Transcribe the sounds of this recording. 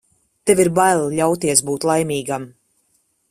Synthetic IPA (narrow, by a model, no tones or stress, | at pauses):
t̪eviɾbajlˠʎʲawt̪iɛsbuːt̪lˠajmʲiːɡam